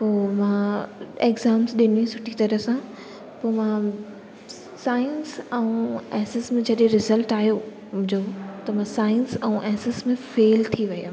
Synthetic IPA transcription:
poːmãeɡzaːmsɗɪnĩsʊʈʰit̪ɐɾəsã | poːmã | saːɪnsɛ̃ũɛːsɪsmẽd͡ʑɐɗẽɾɪzəlʈaːɦjo | mʊ̃d͡ʑot̪ɐmãsaːɪnsɛ̃ũʔɛːsɪsmẽfeːlt̪ʰiʋɐjaː

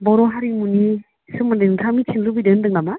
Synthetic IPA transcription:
bɔɾɔɦaɾimuni | sɯmɯndɯŋtʰamitʰinlubidɯndɯŋama

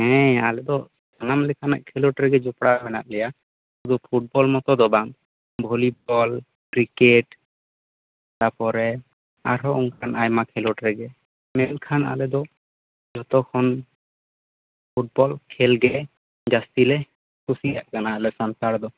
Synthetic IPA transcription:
ɛ̃a̰lɛd̪ɔs | anamlɛkʰana̰ʔkʰɛloʈɾɛɡɛd͡ʒupɽabɛna̰ʔ̪̚lɛja | sud̪upʰuʈ̚bɔlmɔt̪ɔd̪ɔbaŋ | bʱolib̚ɔl | kɾikeʈ | t̪apɔɾɛ | aɾɦɔuŋkʰanajmakʰɛloʈɾɛɡɛ | mɛnkʰana̰lɛd̪ɔ | d͡ʒɔt̪ɔkʰɔn | pʰuʈ̚bɔlkʰɛlɡɛ | d͡ʒast̪ilɛ | kʰusijaʔkanalɛsantaɽd̪ɔ

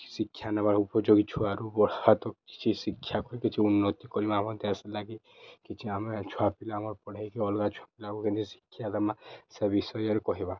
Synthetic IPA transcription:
sikʰːjanabaɾupɔd͡ʒoɡit͡ʃʰuaɾubɔɾat̪ɔki̥t͡ʃʰisikʰːjakɔɾikit͡ʃʰiunːɔt̪ikɔɾimãmɔt̪ɛsɛlaɡi | kit͡ʃʰiamet͡ʃʰuapilamɔɾpɔɽ̤aikeɔlɡat͡ʃʰwapilakukend̪ʰisi̥kʰːjad̪amãsɛbisɔjɔɾkɔɦibã

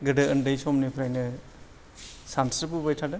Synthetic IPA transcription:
ɡɯdɐɐndɐjsɔmnipʰɾajnɯ | sansɾpubajtʰadɯ

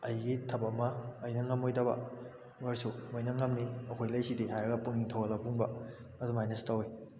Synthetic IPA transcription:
ɐjɡitʰɐpɐmɐːjnɐŋɐmojdɐbɐ̰ | maɾsumojnɐŋɐmniɐkʰojlɐjsidiɦajɾɐɡɐpuniŋtʰawɐlapuŋbɐ | ɐdumajnɐstawoj

